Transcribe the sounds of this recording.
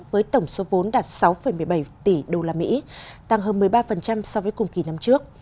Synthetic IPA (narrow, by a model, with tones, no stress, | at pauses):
vəː˨˦jt̪ə˧˩wŋ͡mso˨˦vo˨˦nɗaː˨˩t̚sa˨˦wfə˧˩jmɨ˨˩əjɓa˧˩jt̪i˧˩ɗo˧laː˧mḭ˧˥t̪a˧˩ŋɦəː˧nmɨ˨˩əjɓaː˧fə˨˩nt͡ɕa˧msɔ˧wvəː˨˦jkʊ˨˩ŋ͡mki˨˩na˧mt͡ɕɨ˦˥ək̚